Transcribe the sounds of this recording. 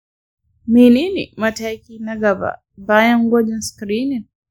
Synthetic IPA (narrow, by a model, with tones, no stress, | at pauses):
mini˦nḭ˨mata˦ki˦na˦ɡa˨ba̰˨ | ba˦ja˦ŋɡɔ˦d͡ʒanskɾi˦ni˨n